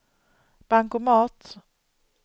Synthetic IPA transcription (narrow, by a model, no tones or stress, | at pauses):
b̥aŋkʊmɑːt̪